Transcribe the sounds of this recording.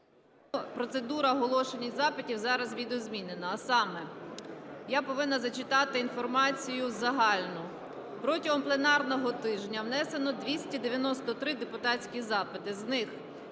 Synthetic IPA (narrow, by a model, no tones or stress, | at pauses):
pɾɔt̪se̞d̪uɾɐɔɦɔlˠɔʃenʲizɑpɪtʲiwzɑɾɐzʋʲid̪ɔɔzmʲinenɐːsɑmɛ | japɔʋɪnːɐzɐt͡ʃɪt̪ɑt̪ɪinfɔrmɑt͡sʲijʊzɐɦɑlʲnʊ | pɾɔtʲɐɦɔmplˠe̞nɑrnɔɦɔt̪ɪʒnʲɐwnɛse̞nɔd̪ʲʋʲisʲtʲid̪eʋʲjɐnɔst̪ɔt̪ɾɪd̪e̞pʊt̪ɑt͡sʲkʲizɑpɪt̪ɪznɪx